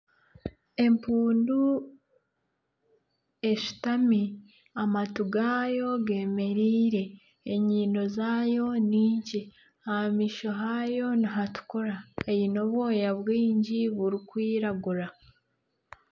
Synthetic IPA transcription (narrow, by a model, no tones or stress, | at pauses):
e̞mpuːndu | e̞ʃu̥tami | amatuɡaːjo̞ɡe̞ːme̞ɾiːɾe̞ː | ɲiːno̞zaːjo̞niːɲci | hamiʃo̞ɦajo̞niɦatu̥koɾaejino̞βwo̞ːjaβwiːɲɟiβuɾikwiːɾaɡuɾa